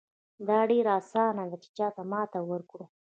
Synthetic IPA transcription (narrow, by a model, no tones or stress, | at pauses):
d̪ɑɖeɾɑsɑnad̪at͡ʃe̥t͡ʃɑt̪amɑt̪awəɾkɽu